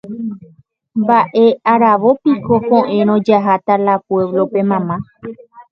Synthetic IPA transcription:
mbaʔe̞ʔaɾaʋopiko̞põʔẽ̞ɾ̃õd͡ʒaɦat̪alapwe̞ʋlo̞pe̞mãmã

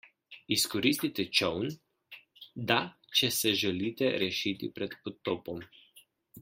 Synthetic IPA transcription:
iskɔɾist̪it̪ɛt͡ʃɔwn | d̪a | t͡ʃɛsɛʒɛliːt̪ɛɾɛʃit̪ḭpɾɛt̪pot̪ːoːpɔm

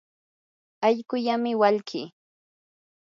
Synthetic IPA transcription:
aʎkʊʎamɪwaʎkiː

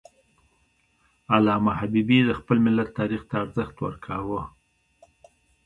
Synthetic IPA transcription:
alɑmahabibid̪əxpəlmɪlːat̪ːɑɾixt̪aːɾzəxt̪wə̰ɾkʰawə

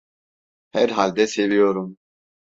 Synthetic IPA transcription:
hæɾɦalʲd̪ɛselʲijoɾum

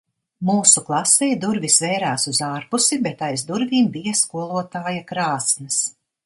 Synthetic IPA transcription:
muːsuklˠasɛjd̪uɾvisvɛjɾaːsuzaːɾpusibet̪ajzd̪uɾvʲiːmbijɐskuɔlˠuɔt̪aːjakɾaːsnɨs

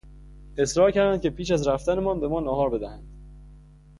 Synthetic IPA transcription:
e̞sɾɒːɾcæɾd̪ænd̪̚cʰe̞pʰiːʃæzɾæft̪æne̞mɒːnbe̞mɒːnɒːɦɒːɾbe̞d̪æhænd̪̥

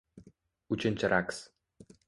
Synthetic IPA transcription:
ut͡ɕɘ̆nʲt͡ɕəɾaks

